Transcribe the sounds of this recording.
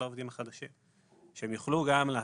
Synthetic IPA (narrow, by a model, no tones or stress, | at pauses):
laovd̪imhaχad̪aʃim | ʃeemjuχluɡamlea